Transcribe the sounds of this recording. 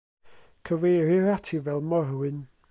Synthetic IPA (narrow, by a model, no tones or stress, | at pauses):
kʰəvejɾɪɾatʰivɛlˠmɔɾwɨn